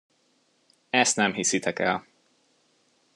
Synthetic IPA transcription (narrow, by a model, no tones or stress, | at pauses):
ɛst̪nɛmɦisit̪ʰɛkɛl